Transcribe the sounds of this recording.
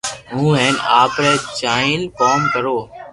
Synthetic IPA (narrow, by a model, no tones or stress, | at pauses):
ɦũːɦɛ̃ːnaːpɾɛːt͡ʃaːɪ̃lkoːmkəɾoː